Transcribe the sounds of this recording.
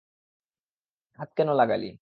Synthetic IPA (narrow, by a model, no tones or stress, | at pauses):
ɦat̪̚kɛnolaɡa̰lḭ